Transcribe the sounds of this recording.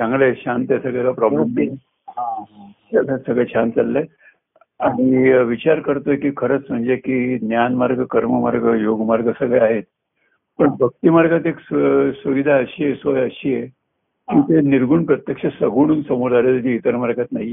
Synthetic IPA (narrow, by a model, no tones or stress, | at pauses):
d͡zãŋɡɭeɕant̪jesəɡɭɛlapɾɔblemt̪ | a | atsəɡɭɛɕʰant̪alːe | aɽ̃iʋit͡ɕaɾkəɾt̪ojekiːkʰəɾət͡sm̤əɳd͡ʑekiːnjanmaɾɡʱəkəɾməma̰ɾɡəjoɡmaɾɡʱəsəɡɭeaɦet̪̚ | pəɳbʱək̚t̪imaɾɡat̪ekssəʋid̪ʱaəɕijesʋəjəɕiːje | kĩːt̪eniɾɡʱuːɳpɾət̪jəkʂəsəɡʱuɽ̃uːnsəmud̪aɾjald͡ʑiːt̪əɾmaɾɡʱat̪naɦie